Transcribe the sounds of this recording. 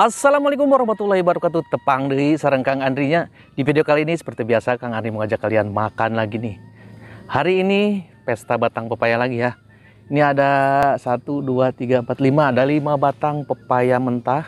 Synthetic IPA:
ʔasːalamualejkʊmwaɾɔhmat̪ulahibaɾukat̪ut̪əpaŋdəisəɾəŋkaŋandɾiɲa | difideokaliːnisə̥pərt̪ibiasakaŋandɾiməŋad͡ʒakːalianmakanlaɡini | haɾiːnipɛst̪abat̪aŋpəpajalaɡijah | iniadasat̪uduat̪iɡaəmpat̪limaːdalimabat̪aŋpəpajamənt̪ah

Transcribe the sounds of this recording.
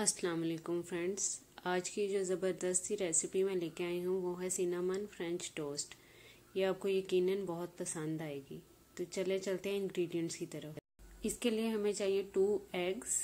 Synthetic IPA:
ɐslaːmɐleːkʊmfɾɛ̃ɳɖz | aːd͡ʒkid͡ʒoːzɐbəɾd̪əst̪iɾɛːsɪpimẽleːkeaːiɦũʋoːɦɛsinaːmənfɾɛ̃ɲt͡ʃʈoːsʈ | jeaːp̚kojɐkiːnənbɐɦʊt̪̚pɐsə̃nd̪aːeːɡiː | t̪ot͡ʃɐlet͡ʃɐlt̪eɦɛ̃ɪ̃nɡɾiːɖijə̃ɳʈskit̪ɐɾəf | ɪskelieɦɐmẽt͡ʃaːɦiẽʈuːɛːɡz

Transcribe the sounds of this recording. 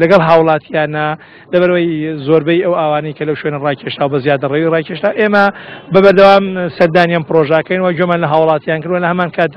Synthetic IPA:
lɐɡɐlˠɦaːwlˠɑːt̪ʰijaːnɐ | lɐβɐɾɐwɐjzoɾbɐjɐwaːwaːnɐjkɐlɐwʃwe̞nɐraːkʰeʃtaːwɐbɐzjaːd̪ɨrewirɑːkʰeʃtaːwʔeːmɐbɐbɐɾd̪ɐwaːmsɐɾd̪aːnjanpɨɾoʒɐʔɐkɐjnwɐd͡ʒomaːnlɐɦaːwlˠɑːt̪ijaːnkɨɾd̪wɐlɐhɐmaːnkʰaːt̪̚

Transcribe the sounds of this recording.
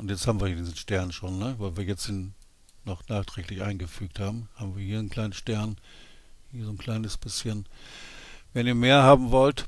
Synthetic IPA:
ʔʊntjɛt͡sthaːbm̩viɐidiːzn̩ʃtɛɐnnʃoːnːəvaɪlviːɐjɛt͡stin | nɔχnaːχtʁ̥ɛːklɪçʔa̰ɪnɡəfyːk̚thaːbm̩haːbm̩viːɐhiːɐnkʰl̥aɪnənʃtɛɐn | hiːɐzoːnkʰl̥aɪnəsb̥ɪsçən | vɛniːɐmeːɐhaːbm̩vɔlt

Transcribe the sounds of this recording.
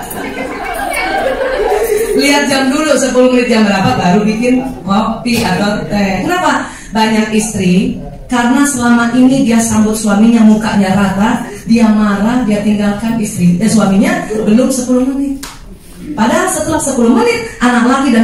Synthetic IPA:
liat̪̚d͡ʒamdulusəpulʊhmənɪt̪̚jaŋbəɾapat̪̚baɾubikɪnkopiat̪awəkənapa | baɲakist̪ɾi | karənasəlamaʔinidiasambʊt̪̚suamiɲamukaʔɲaɾahlahdiamaɾahdiat̪iŋɡalkanist̪ɾisuamiɲabənʊrsəpulʊhmənɪt̪̚ | padaɦalsət̪əlapsəpulʊhmənɪt̪̚ʔanak̚laɡidan

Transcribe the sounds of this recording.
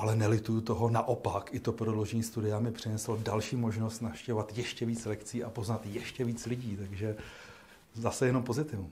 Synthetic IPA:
ʔalɛnɛlɪt̪ujut̪oɦo̞naʔo̞pakʔɪt̪o̞pɾodlo̞ʒɛɲiːst̪udɪamɪpr̝̥ɪnɛslodalʃiːmo̞ʒnost̪nafʃcɛvovat̪jɛʃcɛviːt͡slɛkt͡siːʔapoznat̪jɛʃcɛviːt͡slɪɟiːt̪aɡʒɛ | zasɛjɛno̞mpo̞zɪt̪ɪvu

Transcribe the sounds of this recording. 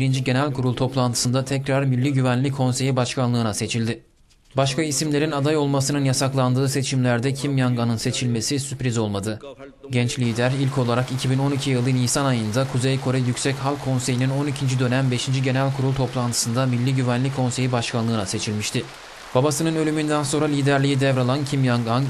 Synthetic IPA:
biɾind͡ʒiɟe̞nælʲkʰuɾulˠt̪ʰo̞plˠant̪ʰɯ̥sɯnd̪at̪ʰɛcɾaɾmilʲːiɟyvænlʲikʰːo̞nse̞jibaʃkʰanlˠɯːnase̞t͡ʃʰilʲd̪ɪ | baʃkʰaisimlʲe̞ɾinad̪ajo̞lˠmasɯnɯnjasaklˠand̪ɯːse̞t͡ʃʰimlʲæɾd̪ɛcʰimjaŋɡanɯnse̞t͡ʃʰilʲme̞sisypɾizo̞lˠmad̪ɯ | ɟɛnt͡ʃlʲiːd̪æɾilʲcʰo̞lˠaɾakicʰibino̞nicʰijɯlˠːɯniːsanajɯnd̪akʰuzejkʰo̞ɾɛjycsɛchalˠʲkʰːo̞nse̞jinino̞nicʰind͡ʒid̪ø̞næmbe̞ʃind͡ʒiɟe̞nælʲkʰuɾulˠt̪ʰo̞plˠant̪ʰɯ̥sɯnd̪amilʲːiɟyvænlʲikʰːo̞nse̞jibaʃkʰanlˠɯːnase̞t͡ʃʰilʲmiʃt̪ʰɪ | b̥abasɯnɯnø̞lʲymynd̪ænso̞nɾalʲiːd̪æɾlʲijid̪ɛvɾalˠancʰimjaŋɡan

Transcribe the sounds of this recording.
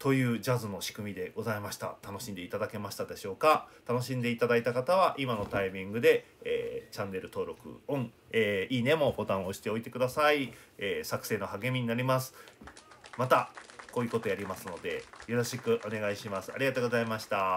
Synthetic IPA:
t̪o̞jɯ̟ːd͡ʑazɨno̞ɕi̥kɯ̟mʲid̪e̞ɡ̥o̞zaimaɕi̥t̪a̰t̪ano̞ɕĩnd̪e̞it̪ad̪ake̞maɕi̥t̪ad̪e̞ɕo̞ːkat̪ano̞ɕĩnd̪e̞it̪ad̪ait̪akat̪aβaʔimano̞t̪aimʲĩŋɡɯ̟d̪e̞ː | t͡ɕãnːe̞ɾɯ̟t̪o̞ːɾo̞kɯ̟̰õ̞ɴ | eːiːne̞mo̞bo̞t̪ãɰ̃o̞ɕi̥t̪e̞o̞it̪e̞kɯ̟d̪asai | eːsakɯ̟̥se̞ːno̞haɡe̞mʲiɲ̟inaɾʲimasɨ̥ | mat̪ako̞ːjɯ̟ko̞t̪ojaɾʲimasɨno̞d̪e̞̰jo̞ɾo̞ɕikɯ̟ʔo̞ne̞ɡaiɕimasɨ̥a̰ɾʲiɡat̪oːɡo̞zaimaɕi̥t̪a

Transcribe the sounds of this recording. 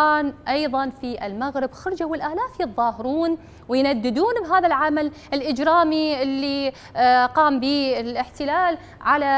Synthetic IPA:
aːnʔɑjðˤɑnfiʔɪlmaɣɾɪbxʊɾˤd͡ʒawɪlʔaːlaːfjɨðˤːɑːhɪɾuːn | wɪjnad̪ːɪd̪uːnbɦaːðalʕamal | ɪlʔɪd͡ʒɾɑːmiʔɪlːi | qɑːmbiːɪlʔɪħt̪ɪlaːl | ʕala

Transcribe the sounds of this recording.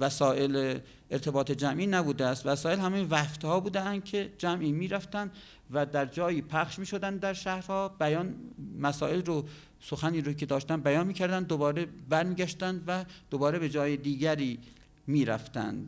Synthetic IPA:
væsɒːʔele | eɾt̪ʰe̞bɒːt̪ʰe̞d͡ʒæmʔiːnæbuːd̪eæst̪væsɒːelhæmejvæft̪hɒːbuːd̪eænd̪̥̚cʰe̞d͡ʒæmʔiːmiːɾæft̪ænd̪ | væd̪æɾd͡ʒɒːjiːpʰæxʃmiːʃod̪ænd̪d̪æɾʃæhɾhɒːbæjɒːnmæsɒ̰ːe̞lro | soxæniːɾokʰe̞d̪ɒːʃt̪ænd̪bæjɒːnmiːcʰæɾd̪ænd̪ːobɒːɾebæɾmiːɟæʃt̪ænd̪væd̪̥obɒːɾe̞be̞d͡ʒɒːjed̪iːɡæɾiː | miːɾæ̰ft̪æ̰nd̪

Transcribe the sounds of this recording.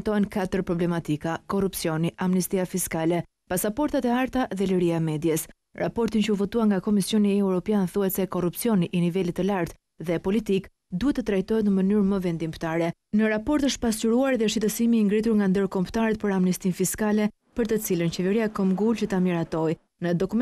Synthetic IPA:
t̪ɔɛnkat̪əɾpɾɔblɛmat̪ikakɔrupsjɔniʔamnist̪iafiskalɛ | pasapɔɾt̪at̪ɛaɾt̪aðɛləɾiamɛd̪jɛs | ɾʔa̰pɔɾt̪int͡ʃəufɔt̪uaŋɡakɔmisjɔniɛwɾɔpjanθuɦɛt̪sɛkɔrupsjɔniʔːnivɛlit̪ːəlaɾt̪ | ðɛpɔlit̪ik | d̪uɛt̪ːət̪ɾajt̪ɔɦɛt̪nəmənyɾməvɛnd̪imt̪aɾɛ | nəɾapɔɾt̪əʃpasuɾuaɾðɛʃit̪əsimiːŋɡɾit̪uɾŋɡand̪əɾkɔmt̪aɾɛt̪̚pəɾamnist̪infiskalɛ | pəɾt̪ət͡silənt͡ɕɛvɛɾiakɔmɡult͡ʃət̪amiɾat̪ɔj | nəd̪ɔkum

